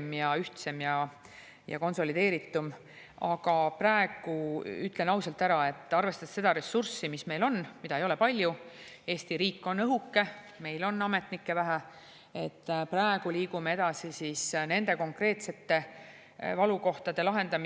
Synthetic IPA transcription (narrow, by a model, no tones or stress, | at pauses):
mjɑyht̪se̞mjɑ | jɑ̰ko̞nso̞lid̪e̞ːɾit̪ːum | ɑɡ̥ɑpræe̞ɡ̥uyt̪ːˑle̞nɑwsɑlt̪ːæɾɑe̞t̪ːˑɑrve̞st̪ɑd̥̪se̞d̪̥ɑɾe̞sːursimisme̞jlo̞nːmitd̪ɑejo̞le̞pɑlʲjue̞ːst̪iɾiːkːo̞nɤɦukːe̞ | me̞jlo̞nːɑme̞t̪nikːe̞væɦæ | e̞t̪ːpræeɡ̥uliːɡ̥umee̞d̪ɑsisisne̞nd̪̥e̞ko̞ŋkre̞ːt̪se̞t̪ːe̞ | vɑluko̞ht̪ɑd̪e̞lɑɦe̞nd̪ɑm